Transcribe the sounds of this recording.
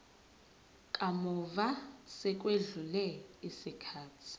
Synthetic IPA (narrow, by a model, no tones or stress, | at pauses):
kʼamuvasɛk̬ʼweɮulɛisikʰaːtʰi̥